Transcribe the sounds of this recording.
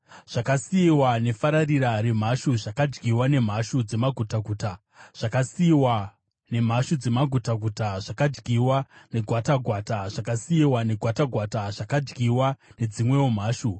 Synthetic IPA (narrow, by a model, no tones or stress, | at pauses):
ʐ̥akasiiwane̞faɾariɾaɾe̞m̤aʃuʐakad͡ʒɡiwane̞m̤aʃud͡ze̞maɡʱutaɡʱuːta | ʐ̥akasiiwa | ne̞m̤aʃud͡zemaɡʱutaɡʱutaʐakad͡ʒɡiwane̞ɡʱwataɡʱwaːtaʐ̥akasiiwane̞ɡʱwataɡʱwataʐ̥akad͡ʒɡiwane̞d͡zimwe̞om̤aːʃu